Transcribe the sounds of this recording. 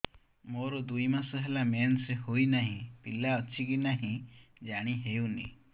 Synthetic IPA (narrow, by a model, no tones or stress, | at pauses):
moɾud̪ujmasɔɦelamenseɦojnaɦĩpilaɔt͡ʃʰiɡinaɦĩd͡ʒaɽ̃iɦewnḭ